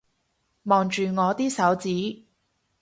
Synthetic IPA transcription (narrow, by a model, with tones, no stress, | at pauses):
mɔː˨˩ŋt͡ʃyː˨ŋɔː˨˧t̪iː˥sɐ˨˥wt͡siː˨˥